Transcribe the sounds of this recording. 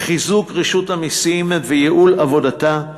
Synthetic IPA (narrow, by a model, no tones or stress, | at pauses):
χizukʁeʃuthamisimvejeʔulavo̞data